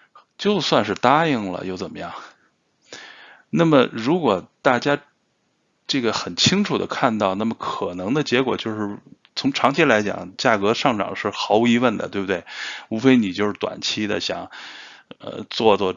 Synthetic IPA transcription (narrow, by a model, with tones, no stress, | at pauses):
t͡ɕjo˥˧ʊswa˥˧nʂɻ̩˥˧t̪a˥i˥˩ŋlə̰˩jo˥˩ʊt͡sə˨˩mə˦jɑ̰˥˩ŋ | na˥˩mə˩ɻu˧˥kwɔ˨˩t̪a˥˩t͡ɕja˥ | ʈ͡ʂɤ˥˩ɡə˩xə˨˩nt͡ɕʰi˥ŋʈ͡ʂʰu˨˩d̪ə̰˦kʰa˥˧nt̪ɑ˥˧ʊna˥˩mə˩kʰɤ˨˩nɤ˧˥ŋd̪ə˧t͡ɕjɛ˧˥kwɔ̰˨˩t͡ɕjo˥˧ʊʂɻ̩˥˩ | t͡sʰʊ˧˥ŋʈ͡ʂʰɑ˧˥ŋt͡ɕʰi˥la˧˥ɪt͡ɕjɑ̰˨˩˦ŋt͡ɕja˥˩kɤ˧˥ʂɑ˥˩ŋʈ͡ʂɑ̰˨˩ŋʂɻ̩˥˩xɑ˧˥ʊu˧˥i˧˥wə˥˩nd̪ə̰˩t̪we˥˩bʊ˩t̪we˥˩ɪu˧˥fe˥ɪni˨˩t͡ɕjo˥˧ʊʂɻ̩˥˩t̪wa̰˨˩nt͡ɕʰi˥d̪ə̰˨ɕjɑ̰˨˩˦ŋ | ə̰˧t͡swɔ˥˧t͡swɔ˥˩